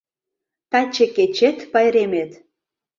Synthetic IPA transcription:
t̪ɑt͡ɕĕket͡ɕet̪pɑjɾemet̪

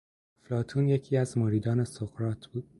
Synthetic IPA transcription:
flɒːt̪ʰuːnje̞cʰiːæzmoɾiːd̪ɒːne̞soɣ̥ɾɒːt̪ʰb̥uːd̪̥

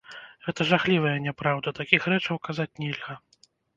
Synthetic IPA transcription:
ɣɛt̪ɐʐaxlʲivɐjɐnʲɛpɾawd̪ɐt̪akʲixɾɛt͡ʂɐwkazat͡sʲnʲɛlʲɣɐ

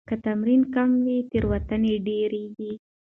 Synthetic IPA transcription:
kat̪amɾinkamwit̪əɾwat̪aneɖeɾeɡi

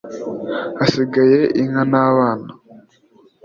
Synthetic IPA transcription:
asiɡaje̞ʔiŋanaːβaːna

